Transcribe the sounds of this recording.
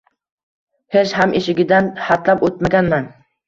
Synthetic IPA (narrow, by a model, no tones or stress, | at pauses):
het͡ʃhamʔeʃɪɡʲɪd̪anhat̪lapot̪̚maɡʲanman